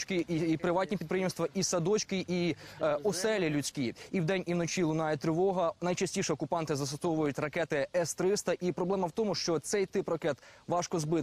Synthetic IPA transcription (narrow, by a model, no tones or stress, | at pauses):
t͡ʃkɪipɾɪʋɑtʲnʲipʲid̪pɾɪjɛmst̪ʋɐʔisɐd̪ɔt͡ʃkɪʔiɔsɛlʲilʲʊt͡sʲkiiwd̪ɛnʲiwnɔt͡ʃʲilˠʊnɑjɛt̪ɾɪʋɔɦɐnɐjt͡ʃɐsʲtʲiʃɛɔkʊpɑnt̪ɪzɐst̪ɔsɔwʋʊjʊtʲrɐkɛt̪ɪɛst̪ɾɪst̪ɐʔipɾɔblˠɛmɐwt̪ɔmʊʃt͡ʃɔt̪sɛjt̪ɪprɐkɛt̪ʋɑʃkɔzbɪt̪